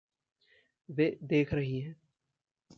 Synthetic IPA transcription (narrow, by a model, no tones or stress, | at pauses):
ʋeːd̪eːkʰɾɐɦiɦɛː